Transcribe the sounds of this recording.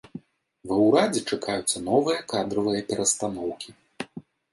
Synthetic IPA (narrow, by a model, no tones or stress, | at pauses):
vɛwɾad͡zʲɛt͡ʂakajut̪sːɐnɔvɨjɐkad̪ɾɐvɨjɐpʲɛɾɐst̪anɔwkʲi